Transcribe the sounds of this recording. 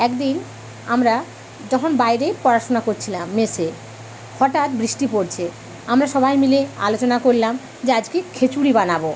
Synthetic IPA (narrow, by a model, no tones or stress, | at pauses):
ɛkd̪in | amɾa | d͡ʑɔkʰonbajɾepɔɾaʃonakoɾt͡ɕʰilamːese | hɔʈat̪bɾiʃʈipoɾt͡ɕʰe | amɾaʃɔbʱajmilea̰lot͡ɕonakoɾlam | d͡ʑead͡ʑkekʰet͡ɕuɾibanabo